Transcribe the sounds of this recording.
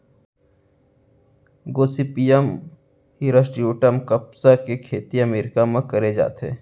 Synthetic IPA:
ɡoːsipijəm | hiɾəsʈiuːʈəmkəpsakekʰeːt̪iɐmeːɾɪkamãkɐɾed͡ʒa̰ːt̪ɦḛː

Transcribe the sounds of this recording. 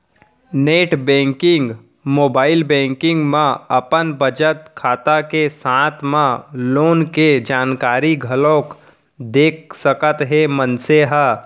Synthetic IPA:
neːʈbɛ̃ːŋkɪ̃ŋɡ | moːbaːɪlbɛ̃ːŋkɪ̃ŋɡmãɐpənbəd͡ʒət̪kʰaːt̪akesãːt̪ʰmãloːnked͡ʒaːnkaːɾiɡʱəlõːk | d̪eːk̚ʰsəkət̪ɦemənseɦə

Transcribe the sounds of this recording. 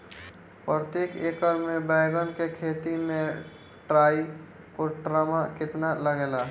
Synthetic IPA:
pɾət̪jekekəɾmebəjɡənkekʰet̪imẽ | ʈɾai | koʈɾamakɪt̪naləɡela

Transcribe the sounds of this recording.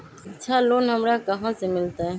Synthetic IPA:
ətːt͡ʃʰaːloːnɦəmɾaːkəɦãːsemɪlt̪aːɦɛː

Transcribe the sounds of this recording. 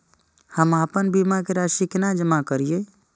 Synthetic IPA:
həmapənbimakeɾaʃikenad͡ʒəmakəɾije

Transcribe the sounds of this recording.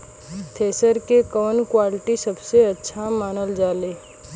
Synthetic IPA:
t̪ʰeːsəɾkekəʋənkwaːlɪʈisɐbseɐtːʃʰamaːnəld͡ʒaːleː

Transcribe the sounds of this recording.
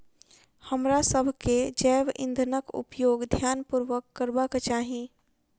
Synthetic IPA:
həmɾasəbʱked͡ʒɛːʋɪ̰̃nd̪ʱənəkʊ̰pjoːɡd̪ʱjaːnpʊɾʋəkːəɾbakt͡ʃaːɦĩː

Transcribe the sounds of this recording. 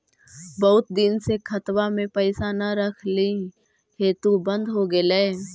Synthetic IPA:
bɐɦʊt̪̚d̪ɪnsekʰɐt̪wamẽpəɪsanɐɾəkʰli | heːt̪ubə̃nd̪ɦoɡəle

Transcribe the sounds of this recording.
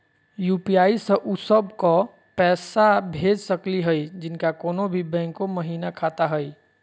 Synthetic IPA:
juːpijaːisə̃ʔusəbkɔ | pɛːsabʱeːd͡ʒsəkliɦəid͡ʒɪnkakoːnobʱibɛ̃ːŋkoməɦiːnakʰat̪aɦəi

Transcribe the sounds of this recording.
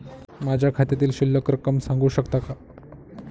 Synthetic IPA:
mad͡ʑʱjakʰat̪jat̪̬iːlɕilːəkɾəkəmsãŋɡuːɕəkt̪aka

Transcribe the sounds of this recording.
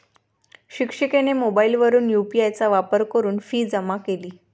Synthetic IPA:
ɕikʂikenemobailʋəɾuːnjupiajt͡saʋapəɾkəɾuːnfiːd͡zəmakeliː

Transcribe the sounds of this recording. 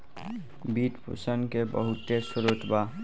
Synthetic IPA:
biːʈpʰṵsənkebə̰ɦʊt̪esʊɾot̪ʰba

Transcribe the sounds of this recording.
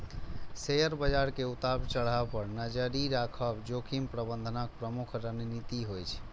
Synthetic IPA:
sejəɾbəd͡ʒaɾkeut̪abt͡ʃəɽ̤apəɾnəd͡ʒəɾiɾakʰəbd͡ʒokʰimpɾəbənd̪ʱənak̚pɾəmukʰɾənnit̪iɦojt͡ʃʰ

